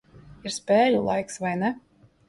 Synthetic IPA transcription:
iɾspʲɛːlʲulˠa̰jksvajnɛ

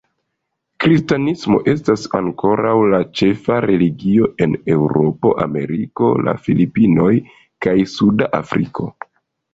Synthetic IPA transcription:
kɾistanismo̞̰ʔe̞stasaŋko̞ɾawlat͡ʃe̞faɾe̞liɡio̞e̞ne̞wɾo̞po̞ʔa̰me̞̰ɾiko̞̰la̰filipino̞j | kajsudaʔafɾḭkʰo̞̰

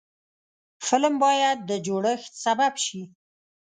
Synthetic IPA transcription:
fɪlmbɑjad̪̚ːəd͡ʒoɽəxt̪sababʃi

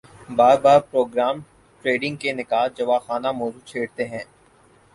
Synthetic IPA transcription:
baːɾbaːɾpɾoːɡɾaːm | ʈɾeːɖɪ̃ŋɡ̚kenɪkaːd͡ʒɐʋaːxaːnamɔːzut͡ʃʰeːɽt̪eɦɛ̃ː

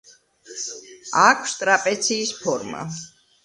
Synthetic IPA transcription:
akʰst̪ʼɾapʼɛt̪sʰiːspʰɔɾma̰

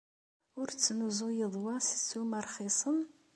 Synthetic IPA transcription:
ʊɾt͡sːnuzʊjəðˤwɑsə̥t͡sːuməɾˤχisˤən

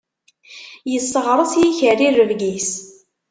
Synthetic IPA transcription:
jəsːəʁɾˤəsjiçərirːəvɡis

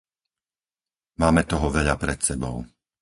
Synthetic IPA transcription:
maːmɛt̪ɔɦɔʋɛʎapɾɛt̪sɛbɔ̰ʊ

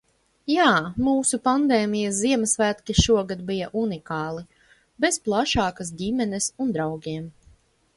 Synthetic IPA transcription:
jaːmuːsupand̪eːmijɐsziɛmɐsvæːt̪kʲiʃuɔɡad̪bijaʔunikɑːlˠi | besplˠaʃɑːkasd̪ʲimʲɛnɛsund̪ɾawɡʲiɛm

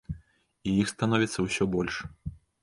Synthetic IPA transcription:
ijixst̪anɔvʲit̪sːɐwsʲɔbɔlʲʂ

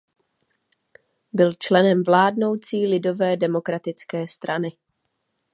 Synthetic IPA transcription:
bɪlt͡ʃlɛnɛmvlaːdno̞wt͡siːlɪdo̞vɛːdɛmo̞kɾat̪ɪt͡skɛːst̪ɾanɪ

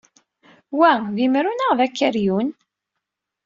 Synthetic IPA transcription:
wæðimɾunəʁðækːəɾjun

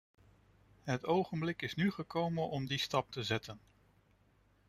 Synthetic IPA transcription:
ɦətowχənblɪkɪsnyχəkowmənɔmdistɑp̚təzɛtən

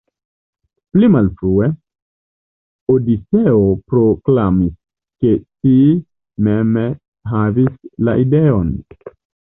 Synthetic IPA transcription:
plimalfɾue | odit͡seopɾoklamis | keti | meme | ɦavisla̰ʔideon

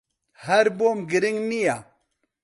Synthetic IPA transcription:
haɾbomɡəɾiŋnija

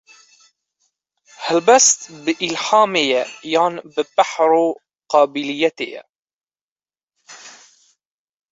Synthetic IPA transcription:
halbast̪bɪʔɪlħaːmɪjajanbɪbaħɾu | qɑːbɪlɪjːat̪ɪ̰ja̰

